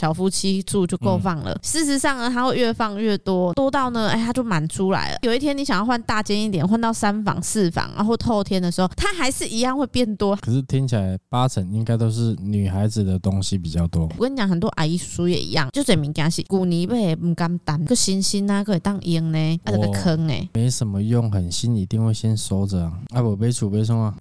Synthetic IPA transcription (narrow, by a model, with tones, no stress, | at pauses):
ɕjɑ˨˩ʊfu˥t͡ɕʰi˥t͡su˥˧t͡ɕjʊko˥˧ʊfɑ˥˩ŋlə̰˨ʂɻ̩˥˩ʂɻ̩˧˦sɑ˥˩ŋnə˨˩t̪ʰa˥xwe˥˩ʊɥɛ˥˧fɑ˥˧ŋɥɛ˥˧t̪wɔ˥t̪wɔ˥t̪ɑ˥˩ʊnə˨˩a˥ɪt̪ʰa˥t͡ɕjo˥˩ʊma˧˦nʈ͡ʂʰu˥la̰˧˦ɪlə̰˨˩jo˨˩i˥˩jɛ˥ni˧˥ɕjŋjɑ˥˧ʊxwa˥˧nt̪a˥˧t͡ɕjɛ˥ni˥˩t̪jɛ˨˩˦nxwa˥˧nt̪ɑ˥˩ʊsa˦˥nfɑ̰˧˥ŋsɹ̩˥˩fɑ̰˨˦ŋa̰˧xwɔ˥˧o˥˧ʊt̪ʰjɛ˥nd̪ə˨ʂɻ̩˧xo˥˩ʊt̪ʰa˦˥xa˧˥ɪʂɻ̩˥˩ʔi˧˥jɑ˥˧ŋxwe˥˧ɪpjɛ˥˩nt̪wɔ˥kʰə˨˩ʂ̩˥˩t̪ʰi˦˥ŋt͡ɕʰi˨la˨˧˦ɪpa˦t͡sʰə˧˥ŋi˦ŋka˥ɪt̪o˥ʊʂ̬ɻ̩˥˩ny˨˩xa˧˦ɪd͡z̩˨˩d̪ə˩t̪o˦ŋɕi˦pi˨˩t͡ɕjɑ˥˩ʊt̪wɔ˦u˧kni˧˥t͡ɕjɑ˨˩ŋɦə˨˩nt̪wɔ˦ʔa̰˨˩ɪi˧˥u̥˧su˧˥jɛ̰˨˩ʔḭ˧˦jɑ˥˩˨ŋt͡ɕjo˥˩ʊt͡swe˨˩mi˧˥ŋkja˧˩ɕḭ˧˩ku˨˩ni˨˩we˥˩ɪm̩˨˩ka˧˥ŋt̪a˨˩n˧ə˥˧˩ɕi˥nɕi˥na˧ko˥˩e˨˩t̪ɑ˥˧ŋʔi˧˥ŋne˧˦ə˧˨˧ɡkʰə˦ŋḛ˨˩me˨˧˦ɪʂə˨˩mə˦jʊ˥˩ŋxə˨˩nɕi˦ni˧˥t̪i˥˧ŋwe˥˩ɪɕjɛ˦nso˥ʊd͡zə˨a˨a˧˥wɔ˨˩pe˥ɪt͡sʰu˨˩pe˥˧ɪsʰɔ˥˩ŋa˨